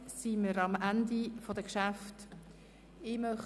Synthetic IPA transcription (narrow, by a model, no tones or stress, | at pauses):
siməɾɑmandifodəkʃaft | ɪmœχ